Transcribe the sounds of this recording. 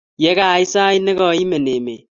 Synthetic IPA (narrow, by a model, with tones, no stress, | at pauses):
jɛ˦ka˦˨i˦sa˦i˦ne˦ɣɔ˦˨˦i˦me˨ne˨mḛ˨